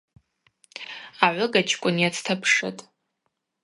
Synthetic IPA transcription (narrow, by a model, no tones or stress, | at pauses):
aʕʷʊɡat͡ʃʰkʷʼʊnjat͡sʰtʰapʰʂɨtʼ